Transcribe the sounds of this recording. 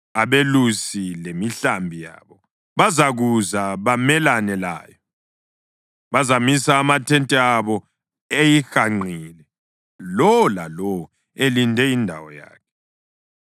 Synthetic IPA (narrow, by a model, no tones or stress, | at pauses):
aβelusilemiɬambʱija̰ːβɔ | βazaɣuzaβamɛlanɛla̰ːjɔ | βazamisaːmatʰɛntʼɛaβɔ | ejixaŋ͡ǀʱiːlɛ | lɔlalɔ | elindʱɛindʱa̰wɔ̰ja̰ːkʰɛ̥